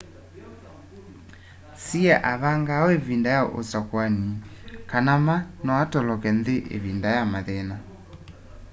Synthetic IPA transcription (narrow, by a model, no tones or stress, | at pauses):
siɛʔaβaŋɡaɔeβindajaʔo̰sakwanikanamanɔatɔlɔkɛndeʔḛβindajamaðɛna